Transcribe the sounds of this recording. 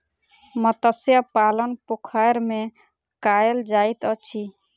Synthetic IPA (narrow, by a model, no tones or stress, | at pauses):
mət̪əsjapalənpokʰajɾme | kaeld͡ʒajt̪ət͡ʃʰi